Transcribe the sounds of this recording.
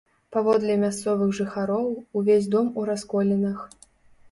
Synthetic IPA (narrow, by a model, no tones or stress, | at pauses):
pavɔd̪lʲɛmʲast̪sɔvɨɣʐɨxaɾɔwuvʲesʲd̪ɔmuɾaskɔlʲɛnɐx